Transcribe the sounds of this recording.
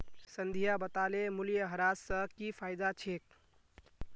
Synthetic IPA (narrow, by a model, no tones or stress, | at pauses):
sənd̪ʱijabət̪alemuljəɦəɾassə̃kipʰajd̪at͡ʃʰek̚